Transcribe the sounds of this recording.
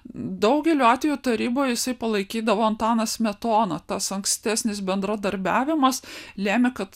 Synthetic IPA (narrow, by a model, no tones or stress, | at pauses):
d̪ɐʊɡʲɛlʲuːɑːt̪ʲʋʲɛjuːt̪ɐɾʲiːboːjɛjɪsɐɪpɐlˠɐɪkʲiːd̪ɐʋoːɐnt̪ɑːnɐsmʲɛt̪oːnɐt̪ɐsɐŋksʲt̪ʲæːsʲnʲɪsbʲɛnd̪ɾɐd̪ɐɾʲbʲæːʋʲɪmɐslʲæːmʲɪkɐt̪